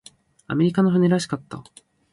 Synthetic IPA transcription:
a̰me̞ɾʲikanoɸɯ̟neɾaɕ̬i̥kat̪ːa̰

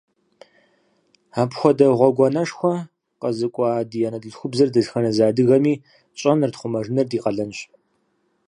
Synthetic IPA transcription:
aːpxʷɔdɐʁʷɔɡʷɔnɐʂxʷɔ | qɐzɨkʷʼɑːdijanɐdɨɮxʷʊbzɐrdɨɮxɐnɐzaːdɨɣɐmiː | ɕʼɐnɨrtχʷʊmɐʐɨnɐrdiːqɐɮɐnɕ

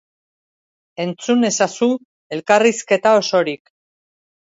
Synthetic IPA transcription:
e̞nt͡sune̞sasu | e̞lkariske̞t̪ao̞so̞ɾik

